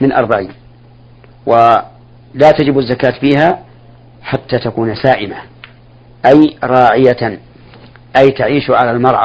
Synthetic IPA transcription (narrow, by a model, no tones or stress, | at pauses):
mɪnʔɑ̰ɾˤbaʕiːn | wa | laːt̪ad͡ʒɪbazːakaːt̪fiːɦa | ħat̪ːaːt̪akuːnsaːʔɪma | ʔajɾˤɑːʕɪja | ʔajt̪aʕiːʃʕalalmɑɾˤʕa̰